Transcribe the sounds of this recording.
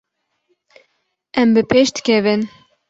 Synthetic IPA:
ɛmbɨpʰeːʃd̪ɨ̥kʲɛvɨn

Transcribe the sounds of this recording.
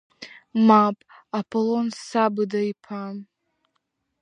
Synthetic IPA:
mapʼapʰolonsabɨdaipʰam

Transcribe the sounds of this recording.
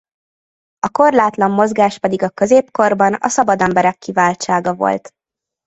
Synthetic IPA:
ɒko̞rlaːt̪lɒmːo̞zɡaːʃpɛd̪iɡɒkø̞zeːpko̞rbɒnɒ̰sɒbɒd̪ɛmbɛɾɛkːivaːlt͡ʃaːɡɒvo̞̰lt̪

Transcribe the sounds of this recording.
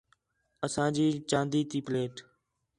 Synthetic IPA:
əsãːd͡ʒiːt͡ʃãːnd̪iːt̪iːpleːʈ

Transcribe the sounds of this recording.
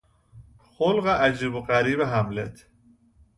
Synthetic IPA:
xolɢeʔæd͡ʒiːboɢæɾiːbeɦæmlet̪ʰ

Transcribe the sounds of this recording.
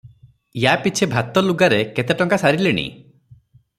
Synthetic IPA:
japit͡ʃʰebʱat̪ɔluɡaɾeket̪eʈɔŋkasaɾileɽ̃ḭ

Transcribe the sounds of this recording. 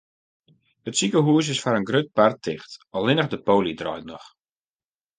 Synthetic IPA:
ətsikəɦuəs̬ɪsfaɾənɡrøt̚partʰɪxtɔlˠɪnəxdəpoːlidrɔ̰jtnɔx

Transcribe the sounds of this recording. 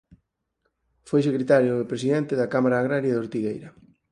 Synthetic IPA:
fojsekɾet̪aɾjoepɾesiðɛnt̪ɪðɐkamaɾaːɣɾaɾjaðoɾt̪iɣejɾɐ

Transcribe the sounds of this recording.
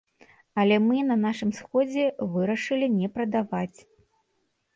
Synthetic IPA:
ɐlʲɛmɨnɐnaʂɨmsxɔd͡zʲɛvɨɾɐʂɨlʲinʲɛpɾɐd̪avat͡sʲ

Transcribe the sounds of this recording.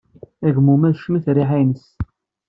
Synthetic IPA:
æʝmumæðʃməθɾiħanəs

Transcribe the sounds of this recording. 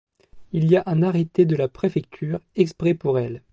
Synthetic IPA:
ilijaʔɛ̃naʁet̪ed̪əlapχefɛk̚t̪ʰyːʁɛkspχɛpuʁɛl

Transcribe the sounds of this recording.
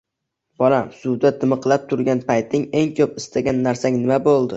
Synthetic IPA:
b̥ɒlamsʊd̪ad̪ɪmɨqʰlˠap̚t̪ʰʊɾɡʲanpʰajt̪ʰɪŋe̞ŋkʰɵpɪst̪ʰaɡʲanːaɾsaŋnɪmabolˠd̪ɪ

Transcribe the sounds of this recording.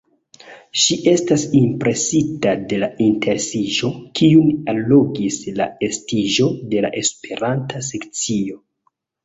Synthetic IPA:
ʃiʔe̞stasimpɾe̞sitade̞lainte̞ɾsiʒo̞kiunalːo̞ɡisla̰e̞stiʒode̞la̰ʔe̞spe̞ɾantase̞kt͡sio̞

